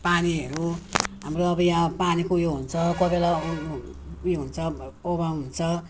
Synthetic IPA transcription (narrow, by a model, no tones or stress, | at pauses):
paniɦeɾuɦamɾuʌbʌjapanikujoɦunt͡sʰʌkɔbela | jeɦunt͡sʰʌobaɦunt͡sʰʌ